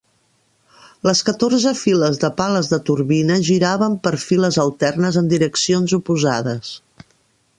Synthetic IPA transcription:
ləskət̪oɾzəfiləzðəpaləzðət̪uɾβinəʒiɾaβəmpəɾfiləzəlˠt̪ɛrnəzənd̪iɾəksionzupuzaðəs

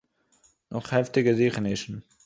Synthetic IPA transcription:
nɔχhɛftɪɡəziːχnɪʃn̩

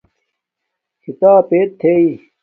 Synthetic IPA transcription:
kʰit̪aːpeːt̚t̪ʰːei

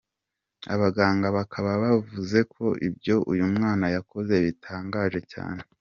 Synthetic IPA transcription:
a̰βaɡaːŋɡaβakʰaβaβavuze̞kʰo̞ʔibɟo̞ʔujumŋaːnajako̞ze̞βitʰaːŋɡaːʒe̞ca̰ːne̞

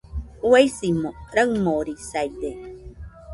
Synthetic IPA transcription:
wejsimoɾəŋmoɾisajde

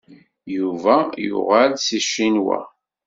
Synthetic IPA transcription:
juvæjʊ̰ʁalsiʃːinwa̰

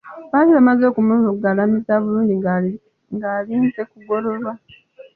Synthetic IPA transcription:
βaliβamazo̞ːkumuzoɡaːlamizaβuluːnɟi | ŋɡaːliːnze̞kuɡo̞lo̞lwa

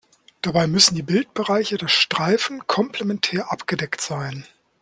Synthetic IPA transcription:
d̥abaɪmʏsn̩diːbɪlt̚b̥əʁaɪçədasʃtʁ̥aɪfn̩kʰɔmpʰlemɛntʰɛːɐʔapɡ̥ədɛktz̥aɪn

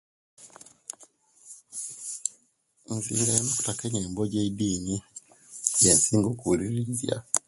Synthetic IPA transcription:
nzḭːŋɡajenoku̥takeɲeːmboɟediːni | jansiːŋɡokuɾiɾizja̰

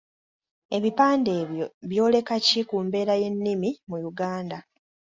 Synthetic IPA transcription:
e̞βipaːnde̞ːβjo̞βjo̞ːle̞kacikumbe̞ːɾaje̞nːimimujuɡaːnda

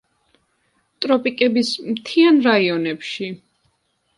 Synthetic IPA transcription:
t̪ʼɾɔpʼikʼɛbismt̪ʰianɾaiɔnɛpʃi

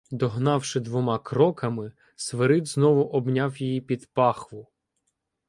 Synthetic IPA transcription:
d̪ɔɦnɑwʃɪd̪ʋɔmɑkɾɔkɐmɪ | sʋeɾɪd̪znɔʋʊʔɔbnʲɑwjijipʲid̪pɑxʋʊ

